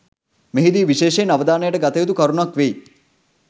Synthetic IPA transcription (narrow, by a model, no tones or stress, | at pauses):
meɦid̪iːʋiʃeːʃeːnɐʋəd̪aːnəjəʈəɡat̪ejud̪ukɐɾunakʋej